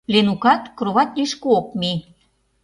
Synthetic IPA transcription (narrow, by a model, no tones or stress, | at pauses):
lenukɑt̪kɾoβɑt̪liʃkuok̚mi